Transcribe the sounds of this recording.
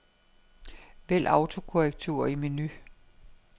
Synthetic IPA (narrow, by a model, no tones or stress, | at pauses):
ʋel̰ʔɑ̈ʊt͡sʰo̝kʰoɛɡ̥̚t͡sʰuɐimeny